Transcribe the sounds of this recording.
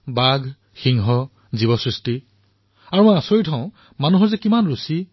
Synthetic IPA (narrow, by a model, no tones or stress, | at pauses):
baɡʱ | xiŋɦɔ | zibɔsɹisti | aɹũãsojtʰãʊ̃ | manuɦɔɹzɛkimanɹusi